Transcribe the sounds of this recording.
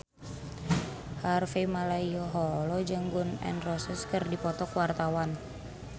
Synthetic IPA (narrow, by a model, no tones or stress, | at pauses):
harfemalaiɔɦɔlɔd͡ʒəŋɡunɛ̰nrɔsɛskərdipɔt̪ɔkwart̪awan